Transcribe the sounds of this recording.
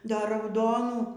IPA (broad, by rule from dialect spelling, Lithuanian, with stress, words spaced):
ˈdɐr rɐʊˈdoːnuː